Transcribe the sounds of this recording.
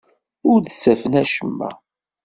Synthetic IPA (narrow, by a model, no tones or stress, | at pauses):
ʊɾðsæfənæʃəmːæ̰